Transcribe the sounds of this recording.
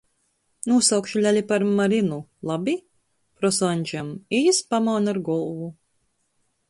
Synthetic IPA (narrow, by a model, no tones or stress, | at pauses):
nuɔsawkʃulʲalʲipaɾmaɾinulˠabʲi | pɾɔsanʲd͡ʒamijispamawnaɾɡɔlˠvu